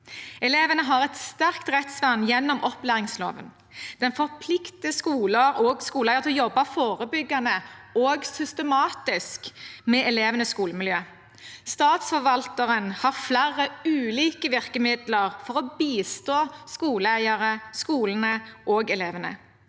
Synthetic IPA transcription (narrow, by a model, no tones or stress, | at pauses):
ɛleːʋənəɦɑʁɛt̪st̪æʁkt̪ʁɛt̪sʋɑnjɛnːɔmʔɔplæːʁɪŋslo̰ːʋə̰n | d̪̥ɛnfɔʁpʰlɪkt̪əskuːləɾɔːɡskuːlæɪəʁt̪ʰɪlɔjɔbːɑfoːʁəbʏɡɑnəoːɡsʏst̪əmɑːt̪ɪskmɛʔɛleːʋənəskuːləmɪljøː | st̪ɑːt̪sfɔʋɑlt̪əʁənhɑʁflæʁːəʉːliːkəʋɪʁkəmɪd̪ləʁfɔʁɔbiːst̪oːskuːləæɪɑʁəskuːlənəʔoːɡɛleːʋənə̰